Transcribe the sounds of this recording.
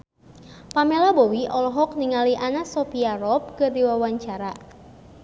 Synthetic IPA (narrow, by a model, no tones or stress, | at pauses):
pamelabɔwiʔɔlɔɦɔk̚niŋaliʔanasɔpiaɾɔp̚kɨrdiwawaɲt͡ʃaɾa